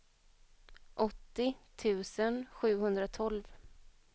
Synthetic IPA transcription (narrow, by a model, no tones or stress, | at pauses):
ʔɔt̪ːɪt̪ʰʉ̟ːsənɧʉ̟ːɦɵnd̪ɾat̪ʰɔlv